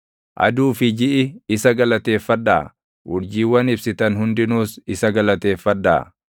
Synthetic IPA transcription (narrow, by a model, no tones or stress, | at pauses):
ʔɐ̰d̪uːfɪd͡ʒɪʔɪɪsɐɡɐlɐt̪e̞ːfːɐd̪ːa̰ː | wʊɾd͡ʒiːwːɐnɪbsɪt̪ɐnhʊnd̪ɪnuːsɪsɐɡɐlɐt̪e̞ːfːɐd̪ːa̰ː